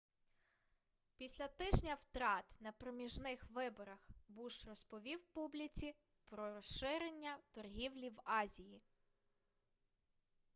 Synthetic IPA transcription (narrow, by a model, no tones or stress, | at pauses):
pʲisʲlʲɐt̪ɪʒnʲɐwt̪ɾɑt̪nɐpɾɔmʲiʒnɪxʋɪbɔɾɐxbuʃrɔspɔʋʲiwpublʲit͡sʲi | pɾɔɾɔsʃɪɾenʲːɐt̪ɔrɦʲiwlʲiwɑzʲiji